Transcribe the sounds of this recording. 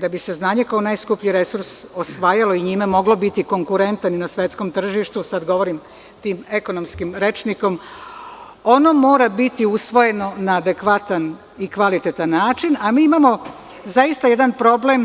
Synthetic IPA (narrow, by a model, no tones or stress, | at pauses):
d̪abise̞znaːɲe̞kao̞najskupʎiɾe̞suɾso̞sʋaːjalo̞iɲimemo̞ɡlo̞bit̪iko̞ŋkuɾe̞nt̪aninasʋe̞t̪sko̞mt̪r̩ʒiʃt̪usad̪ɡo̞ʋo̞ɾim | t̪iːme̞ko̞no̞mskimɾe̞t͡ʃniko̞m | o̞no̞mo̞ːɾabit̪iusʋo̞je̞no̞naːd̪e̞kʋat̪an | ikʋalit̪et̪anːaːt͡ʃinamiːimaːmo̞ | zaist̪aje̞d̪anpɾo̞ble̞m